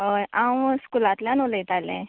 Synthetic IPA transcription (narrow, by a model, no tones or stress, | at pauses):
ɦojʔãwskulat̪ljanolət̪alɛ̰̃